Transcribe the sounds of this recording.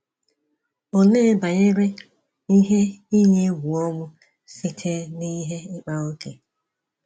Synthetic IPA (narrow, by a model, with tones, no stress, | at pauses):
o˨ne˦ba˨ɲe˦ɾe˦ | i˦ɦe˦i˦ɲe˦ɡʷu˨ɔ˦mʊ˦ | si˦tʰe˦ni˦ɦe˦ɪ˦k͡pa˦o˦kḛ˨